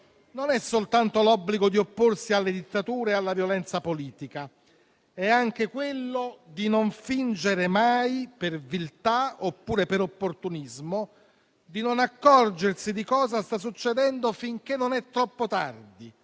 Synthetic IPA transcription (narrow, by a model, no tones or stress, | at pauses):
nonɛsːolt̪ant̪olɔbːliɡod̪iopːorsialːed̪it̪ːat̪uːɾealːavjolɛnt̪sapoliːt̪ika | ɛaŋk̟ekwelːod̪inoɱfind͡ʒeɾemajpervilt̪aopːuːɾepeɾopːort̪unizmo | d̪inonakːɔrd͡ʒersid̪ikɔːzast̪as̬ːut͡ʃːed̪ɛnd̪ofiŋk̟enːonɛt̪ːɾɔpːot̪ard̪i